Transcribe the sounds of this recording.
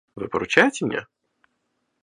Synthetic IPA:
vɨ̰pəɾʊt͡ɕajɪtʲɪmʲnʲa̰

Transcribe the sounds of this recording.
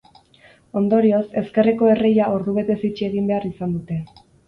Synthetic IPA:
o̞nd̪o̞ɾio̞se̞ske̞reko̞e̞re̞jaoɾðuβ̞e̞t̪e̞sit͡ʃie̞ɣimbe̞arisand̪ut̪e̞

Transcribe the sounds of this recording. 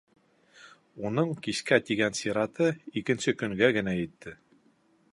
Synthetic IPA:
unɤɴkiskæt̪iɡænsʲeɾɑt̪ɤikɘ̆nsɘkɵ̆ŋɡæɡɘ̆næjɘ̆t̪ːɘ

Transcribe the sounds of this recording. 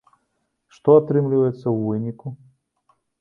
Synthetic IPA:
ʂt̪ɔat̪ɾɨmlʲɪvɐjɛt̪sːɐwvɨnʲiku

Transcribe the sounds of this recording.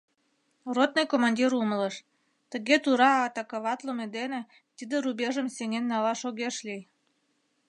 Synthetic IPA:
rot̪̚nɤjkomɑnʲdʲiɾumələʃ | t̪ə̆ɣet̪uɾɑːt̪ɑkɑβɑt̪lomed̪enĕ | t̪id̪eɾubʲeʒəmsenʲenːɑlɑʃoɣeʃlʲij

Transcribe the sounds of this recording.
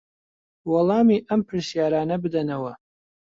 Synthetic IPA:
wɐlˠɑːmiʔɐmpʰɨɾsijaːɾaːnɐbɨd̪ɐnɐwɐ

